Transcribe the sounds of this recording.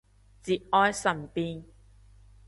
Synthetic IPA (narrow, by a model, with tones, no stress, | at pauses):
t͡siː˨t̚ʔɔː˧jsɐ˨˩npiː˧n